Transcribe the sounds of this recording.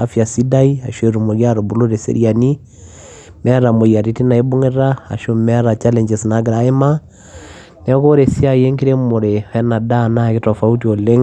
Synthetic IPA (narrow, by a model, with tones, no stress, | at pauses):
a˨fja˨si˦da˦i˦a̰˨ʃwe˨ɾu˨mo˨ɣja˦ɾo˨bu˨lo˦ɾe˨sḛ˦ɾia˨ni˦ | mɛ˦ɾa˨mo˨ja˨ɾi˨ti˦na˨e˦bo˦ŋe˦ɾa˦a̰˨ʃo˦mɛ˦ɾa˨t͡ʃa˦lɛ˨ɲd͡ʒɛ˨sna˨˦ɡɾa˨e˦ma˦ | nɛ˦ko˦ɾe˨si˦a˨je˦ŋki˦ɾe˦mo˨ɾeɛ˦na˨da˦˨na˦ke˦tɔ˨fa˦u˦tio˨le˦ŋ